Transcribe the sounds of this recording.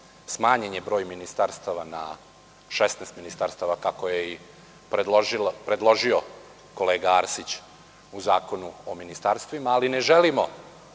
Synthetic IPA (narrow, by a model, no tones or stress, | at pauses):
smaːɲeɲebɾo̞ːjminist̪aɾst̪aʋana̰ | ʃesnɛːst̪minist̪aɾst̪aʋakako̞jei | plpɾed̪lˠo̞ʒio̞ | ko̞leːɡaaɾsit͡ɕ | uzaːko̞nuominist̪aɾst̪ʋimaːline̞ʒelimo̞̰